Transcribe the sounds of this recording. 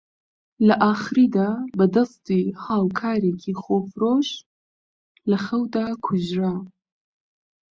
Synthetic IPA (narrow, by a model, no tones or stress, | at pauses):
lɐʔaːxɨɾiːd̪aːbɐd̪ɐst̪ihaːwkʰaːɾeːkʰiːχoːfɾoʃ | lɐxɐwd̪aːkʰʊʒɾa